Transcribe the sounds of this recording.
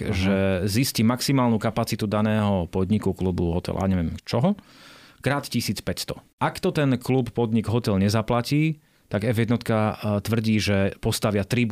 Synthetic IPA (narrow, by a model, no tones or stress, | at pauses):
ʒɛziscimaksimaːlnukapat͡sit̪ud̪anɛːɦɔpɔd̪ɲikuklubuɦɔt̪ɛ̰la̰aɲɛʋɪɛmt͡ʃɔɦɔ | kɾaːt̪cisiːt͡spɛcst̪ɔ̥ | ʔakt̪ɔt̪ɛnkluppɔd̪ɲiɡɦɔt̪ɛlɲɛzaplaciː | t̪aɡɛvjɛd̪nɔt̪kat̪ʋr̩ɟiːʒɛpɔst̪aʋɪat̪ɾib